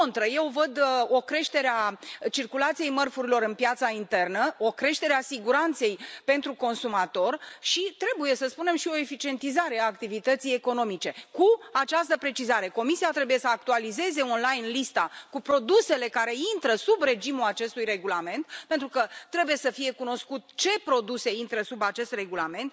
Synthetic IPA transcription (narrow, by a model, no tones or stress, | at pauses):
ont̪ɾəje̞wvəd̪o̞kɾe̞ʃt̪e̞ɾeat͡ʃirkulat̪sije̞jmərfuɾilo̞ɾɨnpjat̪saint̪e̞rnəo̞kɾe̞ʃt̪e̞ɾeasiɡuɾant̪se̞jpe̞nt̪ɾuko̞nsumat̪o̞rʃit̪ɾe̞buje̞səspune̞mʃio̞e̞fit͡ʃie̞nt̪izaɾe̞aːkt̪ivit̪ət̪sije̞ko̞no̞mit͡ʃe̞kuat͡ʃast̪əpɾe̞t͡ʃizaɾe̞ko̞misiat̪ɾe̞buje̞səak̚t̪ualize̞ze̞onlajnlist̪akupɾo̞d̪use̞le̞kaɾe̞int̪ɾəsubre̞d͡ʒimulat͡ʃe̞st̪ujre̞ɡulame̞nt̪̚pe̞nt̪ɾukət̪ɾe̞buje̞səfije̞kuno̞skut̪t͡ʃe̞pɾo̞d̪use̞int̪ɾəsubat͡ʃe̞st̪re̞ɡulame̞nt̪̚